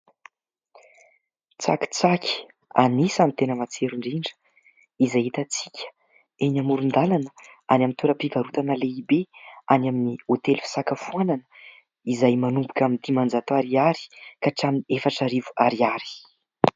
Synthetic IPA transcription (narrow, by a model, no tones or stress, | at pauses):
t͡sa̰ki̥t͡sakʲʰi̥ | a̰nisamit̪enəmat͡seɾuɳɖ͡ʐiɳɖ͡ʐə̥ | izajit̪at͡si̥kʲʰə̥ | eɲamuɾund̪alanəanamint̪uɾəpivaɾut̪anəleibeanaminiot̪elfi̥sakəfuananə̥ | izajmanumbukʲamind̪imand͡zat̪oaɾiaɾi̥kaʈ͡ʂaminiefaʈ͡ʂaɾivu̥aɾiaɾi̥